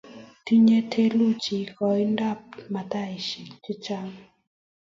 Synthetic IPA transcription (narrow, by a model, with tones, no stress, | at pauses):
t̪i˦ɲe˦t̪ʰe˦lu˦˨t͡ʃi˨˦kɔ˧˦i˦nda˦˨p̚ma˨t̪a˦˨ʃi˨kti˦t͡ʃa˦ŋ